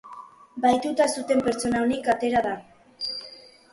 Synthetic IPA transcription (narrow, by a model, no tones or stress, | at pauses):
bajt̪ut̪asut̪e̞mpe̞ɾt͡so̞naonikat̪e̞ɾaða